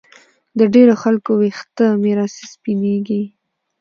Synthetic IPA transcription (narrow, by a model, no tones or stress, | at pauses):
d̪əɖeɾoxalkowext̪əmeɾɑse̥spineɡi